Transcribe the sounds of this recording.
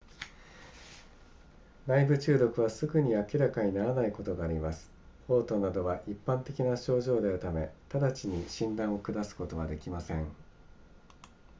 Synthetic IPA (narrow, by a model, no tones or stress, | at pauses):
ɾaibɯ̟t͡ɕɨːd̪o̞kɯ̟β̞asɨɡɯ̟ɲ̟iakʲiɾakaɲ̟inaɾanaiko̞t̪o̞ɡaːɾʲimasɨ̥ | o̞ːt̪o̞nad̪o̞βaʔipːãnt̪e̞kʲinaɕo̞ːʑo̞ːd̪e̞aɾɯ̟t̪ame̞t̪ad̪at͡ɕiɲ̟iɕĩnd̪ãɰ̃o̞kɯ̟d̪asɨ̥ko̞t̪o̞βad̪e̞kʲimasẽ̞ŋ